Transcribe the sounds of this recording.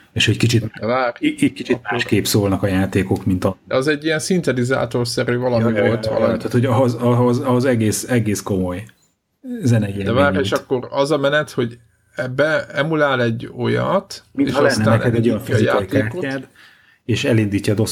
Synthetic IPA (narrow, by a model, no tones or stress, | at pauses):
eːʃɛckit͡ʃit̪d̪ɛvaːrikit͡ʃit̪̚maʃkeːpsoːlnɒkɒjaːt̪eːko̞kmint̪ɒd̪ɛɒzɛɟːiɛnsint̪ɛd̪iza̰ːt̪o̞rsɛɾyːvɒlɒivo̞lt̪ʋɒ̰lɒ̰t̪at̪hoɟɦozɒozɒozɛɡeːsɛɡeːsko̞mo̞j | zɛnɛid̪ɛvaːɾeːʃɒkːo̞rɒzɒmɛnɛt̪ho̞ɟ | ɛbɛɛmulaːlɛɟːo̞jɒ̰t̪miḛːʃnːɛanɛɛd̪ɛɟojɔɱfejaojt̪keːaːkoad̪ | eːʃɛlind̪iːcːɒd̪os